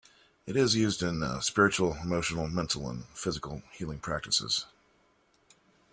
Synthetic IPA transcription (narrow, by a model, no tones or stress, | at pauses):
ɨɾɪzjʉzdɪ̃nspɪɹɨt͡ʃul̩ˠəmoʊʃn̩l̩ˠmɛ̃ntʰˡl̩ˠə̰̃nfɪzɨkl̩ˠhilˠɪ̃ŋpʰɹ̥æk̚tɨsɪ̰z̥